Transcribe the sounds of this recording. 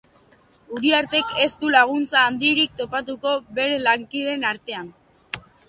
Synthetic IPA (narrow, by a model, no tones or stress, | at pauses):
uɾiaɾt̪e̞ke̞st̪ulaɣ̞unt͡saːnd̪iɾik̚t̪o̞pat̪̬uko̞βe̞ɾe̞laŋkið̞e̞naɾt̪e̞an